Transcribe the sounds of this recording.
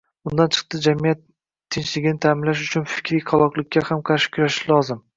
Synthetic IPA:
ʊnd̪ant͡ʃʰɨ̥q̚t̪ɪd͡ʒamijat̪ʰː | ɪnt͡ʃlɪɡʲɪnɪt̪ʰaːmɪnlaʃ̬ʊt͡ʃʰʊnfɪ̥kʲɾijqʰɑlˠɒqlˠɪk̚ʲʰːahamqʰɑɾʃɪ̥kʲʰʊɾaʃɪlɒzɪm

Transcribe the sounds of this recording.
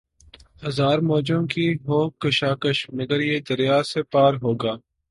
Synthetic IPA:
hɐzaːɾmɔːd͡ʒõkiɦoːkəʃaːkəʃmɐɡəɾjed̪ɐɾijaːsepaːɾɦoːɡaː

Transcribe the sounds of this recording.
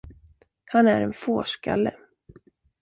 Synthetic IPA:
hanæɾɛnfoːʂka̰lːə

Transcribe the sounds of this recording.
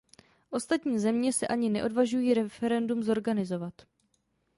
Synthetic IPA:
ʔo̞st̪at̪ɲiːzɛmɲɛsɛʔaɲɪnɛʔo̞dvaʒujiːɾɛfɛɾɛndumzo̞ɾɡanɪzo̞vat̪

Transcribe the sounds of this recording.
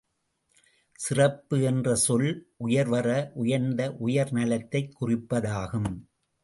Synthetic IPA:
sɪrɐpːɯɛndrɐsɔlʔʊjɐɾʋɐrɐʔʊjɐɾnd̪ɐʔʊjɐɾnɐlɐt̪ːɐɪkːʊrɪpːɐðaːɣɯm

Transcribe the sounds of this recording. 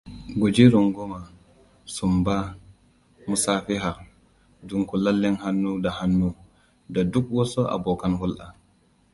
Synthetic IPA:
ɡod͡ʒiɾɔŋɡɔma | sumba | musaːfiɦa | duŋkɔlalːɛnhanːudahanːu | dadukwɔsɔʔa̰bɔkanhulʔa̰

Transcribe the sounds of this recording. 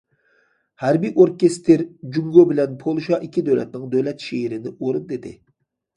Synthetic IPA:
hæɾbijʔoɾkʲest̪ʰeɾd͡ʒyŋɡobɪlɛnpʰolˠuʃɑʔikʲʰːid̪øwlɛ̰t̪nɪŋd̪øwlɛt̪ʃeiɾɪnɪʔoɾund̪ed̪ɪ̰

